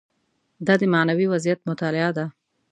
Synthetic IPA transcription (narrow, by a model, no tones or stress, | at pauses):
d̪ɑd̪əmanawiwazijat̪mʊt̪ɑlɪɑd̪a